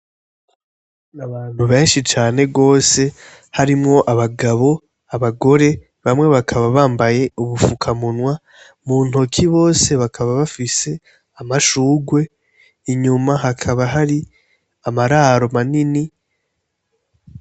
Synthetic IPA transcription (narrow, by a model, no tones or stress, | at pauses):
naβaːn̥huβe̞ːnʃit͡ʃaːne̞ɡo̞ːse̞ | haɾimŋo̞ʔaβaɡaβo̞ | aβaɡo̞ɾe̞ | βamŋe̞βakʰaβaβaːmbaje̞uβufukʰamunwa | mun̥ho̞kʰiβo̞ːse̞βakʰaβaβafise̞ | amaʃuːɡwe̞ | iɲumaɦakʰaβaɦaɾi | amaɾaːɾo̞manini